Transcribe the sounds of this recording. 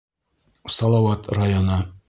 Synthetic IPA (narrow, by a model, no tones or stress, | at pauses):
sɒlˠɑwɑt̪rajonɤ